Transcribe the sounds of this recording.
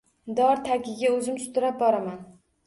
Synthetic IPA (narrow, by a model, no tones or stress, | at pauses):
d̪ɒɾt̪ʰakʲɪɡʲaɵzɪmsʊ̥t̪ʊɾap̚bɒɾaman